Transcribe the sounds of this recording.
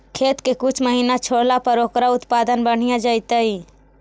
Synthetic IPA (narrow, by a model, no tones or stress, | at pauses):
kʰeːt̪kekʊt͡ʃʰməɦiːnat͡ʃʰoːɽlapəɾoːkɾaʊt̪paːd̪ənbəɽ̤ijad͡ʒaːit̪aɦiː